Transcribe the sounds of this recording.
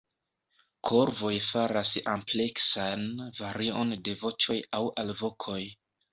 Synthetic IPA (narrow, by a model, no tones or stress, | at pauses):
kʰo̞ɾvo̞jfaɾasample̞ksanvaɾio̞nde̞vo̞t͡ʃo̞jawʔalvo̞kʰo̞j